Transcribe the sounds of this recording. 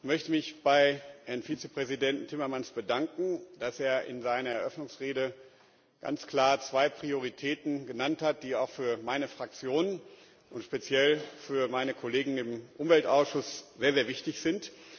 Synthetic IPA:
mœçtəmɪçb̥aɪʔɛɐnfiːt͡səpʁ̥ɛzidɛnt̩tʰːɪmɐmansb̥ədaŋkŋ̩d̥aseːɐʔɪ̰nzaɪnɐɛɐʔœfnʊŋsʁeːdə | ɡ̥a̰nt͡skl̥aːɐt͡sv̥aɪpʁ̥ioʁitʰɛːtn̩ɡənanthat̚d̥iːaʊxfyːɐmaɪnəfʁ̥ak̚t͡sjoːnən | ʔʊntʃpet͡sjɛlfyːɐmaɪnəkʰɔleːɡŋ̩ɪmʔʊmvɛltʔaʊsʃʊsz̥eːɐzeːɐvɪçtɪçz̥ɪnt

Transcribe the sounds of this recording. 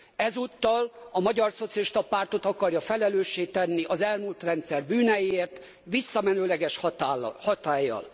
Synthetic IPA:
ɛzut̪ːɒlɒmɒɟɒrso̞t̪siɒliʃt̪ɒpaːrt̪o̞t̪ɒkɒrjɒfɛlɛløːʃːeːt̪ɛnːiʔɒzɛlmuːlt̪rɛnt̪sɛrbyːnɛjieːrt̪ | ʋisːɒmɛnøːlɛɡɛʃh̪hɒt̪aːjːɒ̰l

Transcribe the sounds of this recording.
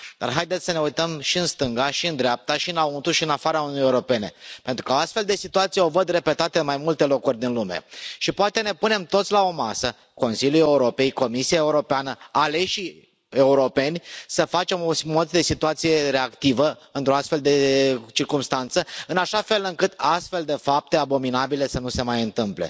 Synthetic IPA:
d̪̥a̰rɦajd̪e̞t̪ssəne̞ujt̪əmʃiɨnst̪ɨŋɡaʃiɨnd̪ɾeap̚t̪aʃiɨnaunt̪uʃiɨnafaɾaununijeuɾo̞pe̞nepe̞nt̪ɾukəoast̪fe̞ld̪e̞sit̪uat̪sijeo̞vəd̪re̞pe̞t̪at̪əɨnmajmult̪e̞lo̞kurʲd̪inlume̞̰ʃipoat̪e̞ne̞pune̞mt̪o̞t̪sʲlao̞ma̰sə | ko̞nsilʲjuuje̞uɾo̞pe̞jko̞misijae̞uɾo̞peanəale̞ʃi | e̞uɾo̞pe̞nʲsəfat͡ʃe̞mo̞mo̞t̪d̪e̞sit̪uat̪sije̞ɾe̞akt̪ivəɨnt̪ɾoast̪fe̞ld̪e̞t͡ʃirkumst̪ant̪səɨnaʃafe̞lɨŋkɨt̪ast̪fe̞ld̪e̞fap̚t̪e̞abo̞minabile̞sənuse̞majɨnt̪ɨmplḛ

